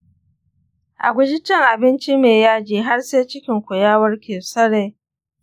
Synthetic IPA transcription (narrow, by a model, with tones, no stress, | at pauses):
ʔa̰˨ɡʷʊ˦d͡ʒɪ˦t͡ʃɪ˦ŋʔa˨bɪ˦nt͡ʃi˦meː˨jaː˦d͡ʒiː˨ɦa˦rseː˦t͡ʃɪ˦kʲɪ˨ŋkʷʊ˨jaː˦wɐ˦rkʲeː˨sɐ˦ɽeː˦